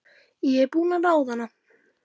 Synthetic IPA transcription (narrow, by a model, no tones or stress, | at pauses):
jepunalawðana